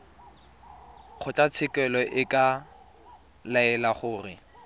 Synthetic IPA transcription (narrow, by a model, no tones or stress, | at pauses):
χʰʊtʼat͡sʰɪkʼɛlɔʔɪkʼa | laɛlaχʊːrɪ̰